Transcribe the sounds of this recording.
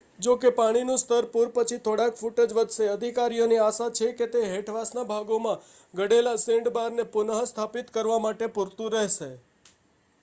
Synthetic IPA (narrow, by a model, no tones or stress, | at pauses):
d͡ʒokepaɽ̃inũst̪ʰəɾpuɾpət͡ʃʰit̪ʰoɽakfuʈəd͡ʒʋəd̪ʱʃeəd̪ʱikaɾijoniaʃat͡ʃʰeket̪eɦeʈʰʋasnabʱaɡomã | ɡəɽelasɪ̃ɳɖbaɾnepʊnəɦst̪ʰapit̪kəɾʋamaʈepuɾt̪ũɾəɦʃe